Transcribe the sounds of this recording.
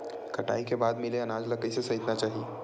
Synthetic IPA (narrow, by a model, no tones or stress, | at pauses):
kəʈa̰ːikebaːd̪mɪleɐnaːd͡ʒləkəjsesɐɦit̪nat͡ʃaːɦi